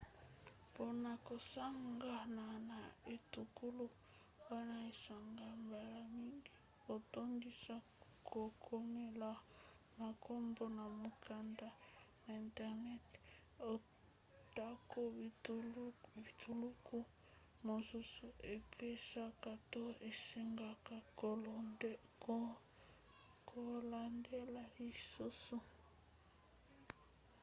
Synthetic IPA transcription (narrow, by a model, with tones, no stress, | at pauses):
po˨na˨ko˨sa˦ŋɡa˦na˨na˨e˨tu˨ku˦lu˦ | wa˦na˨e˨sa˨ŋɡa˨mba˨la˨mi˦ŋɡi˦ | o˨to˦ndi˦sa˦ | kʰo˨kʰo˦me˦la˦˨ | ma˨kʰo˦mbo˦na˨mu˨ka˦nda˦ | na˨i˨ntɛ˦˨ʁnɛ˦t | o˨ | ta˦ko˦t | vi˨tʰu˨lu˦ku˦ | mo˨su˦su˦e˨pe˦ʃa˦ka˨to˦e˨si˦ŋɡa˨ka˨kl | kʰo˨la˨nde˦la˦i˦su˦su˦